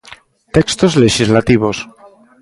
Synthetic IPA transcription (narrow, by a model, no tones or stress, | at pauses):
t̪ekst̪ozleʃizlat̪iβ̞o̞s